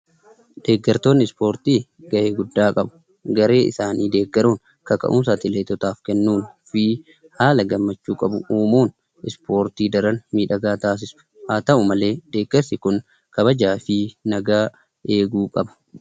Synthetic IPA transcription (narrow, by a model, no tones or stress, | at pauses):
d̪̥e̞ːɡːɐɾt̪o̞ːnːɪspo̞ːɾt̪iːɡɐʔeːɡʊd̪ːaːkʼɐbʊ̥ | ɡɐɾe̞ːɪ̰saːniːd̪e̞ːɡːɐɾuːn | kɐkɐ̰ʔuːs̬at̪ɪleːt̪ɔt̪aːfkɛnːuːnfi | haːlɐɡɐmːɐt͡ʃːuːkʼɐbʊuːmuːn | ʔɪspo̞ːɾt̪iːd̪ɐɾɐnmiːᶑɐɡaːt̪aːs̬ɪsʊ̥ | haːt̪ɐʔʊmɐle̞ːd̪̥e̞ːɡːɐɾsɪkʊn | kɐbɐd͡ʒaːfɪnɐɡaː | ʔe̞ːɡuːkʼɐbɐ̥